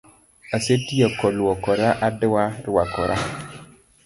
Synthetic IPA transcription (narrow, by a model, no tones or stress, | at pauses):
asetijekɔluwɔkɔɾaʔadəwaɾuwakɔɾʔa̰